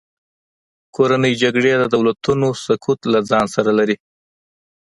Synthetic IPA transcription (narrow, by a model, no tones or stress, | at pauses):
kʰoɾanəjd͡ʒaɡɽed̪əd̪awlat̪unosʊkʰut̪lad͡zɑnsaɾalaɾi